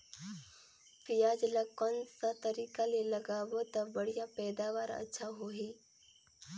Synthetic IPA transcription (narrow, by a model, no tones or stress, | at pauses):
fɪjaːd͡ʒlakɔnsat̪ɐɾiːkalelɐɡaːwot̪ɐbɐɽijapɛːd̪aːʋaːɾɐ̰tːʃʰaɦoɦiː